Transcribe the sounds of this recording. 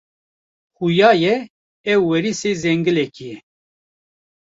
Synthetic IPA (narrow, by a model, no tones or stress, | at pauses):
xujaːjɛ | ɛwːɛɾiseːzɛŋɡɨlɛkijɛ